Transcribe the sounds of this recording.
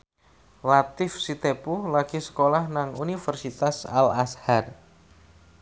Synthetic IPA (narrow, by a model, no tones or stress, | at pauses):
lat̪ɪfsit̪epulaɡ̥isə̥kolahnaŋunifərsit̪asa̰lashar